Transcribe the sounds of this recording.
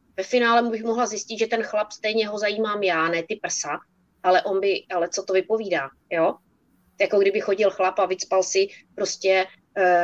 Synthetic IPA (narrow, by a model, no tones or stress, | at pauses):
vɛfɪnaːlɛmubɪxmoɦlazjɪscɪt̪ʒɛt̪ɛnxlapst̪ɛjɲɛɦo̞zajiːmaːmjaːnɛːt̪ɪpr̩sa | ʔalɛʔo̞nbɪʔalɛt͡sot̪ovɪpo̞viːdaː | joː | jako̞ɡdɪbɪxo̞ɟɪlxlapavɪt͡spalsɪpɾo̞scɛ